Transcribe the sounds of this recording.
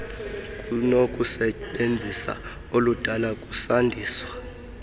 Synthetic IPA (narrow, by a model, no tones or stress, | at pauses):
k̬ʼunok̬ʼusɛɓend͡zʱisa̰ | olud̥ʱalakʼusandʱiːswa